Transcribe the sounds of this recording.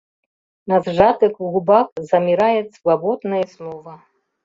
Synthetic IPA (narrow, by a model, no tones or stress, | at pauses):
nɐzʐat̪ɨkɣubakzɐmʲiɾajɛt̪svabɔd̪nɐjɐsnɔvɐ